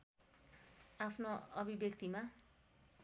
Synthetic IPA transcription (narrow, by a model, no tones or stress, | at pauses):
apʰnoʌbʱibjʌkt̪ima